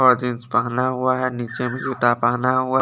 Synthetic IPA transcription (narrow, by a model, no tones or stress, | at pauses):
ɔɾd͡ʒɪ̃nspaɦnaɦʊaɦɛniːt͡ʃemẽʃʊt̪apaɦnaɦʊa